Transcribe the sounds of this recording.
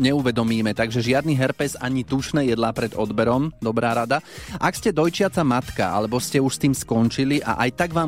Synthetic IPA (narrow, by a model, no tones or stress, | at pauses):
ɲɛuʋɛd̪ɔmiːmɛt̪aɡʒɛʒɪad̪niɦɛɾpɛzaɲit̪uʃnɛːjɛd̪laːpɾɛd̪ɔd̪bɛɾɔmd̪ɔbɾaːɾad̪aʔakscɛd̪ɔjt͡ʃɪat͡samat̪ka̰a̰lɛbɔscɛuʃst̪iːmskɔnt͡ʃiliʔa̰ʔajt̪aɡʋaːm